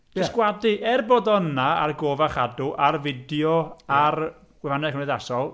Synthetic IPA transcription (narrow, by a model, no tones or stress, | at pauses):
d̥ɛskwadɨʔɛrboːdɔnaa̰rɡoːvaχadʊʔarvɪdjɔar | ɡ̥wɛvanɛkəneðasɔlˠ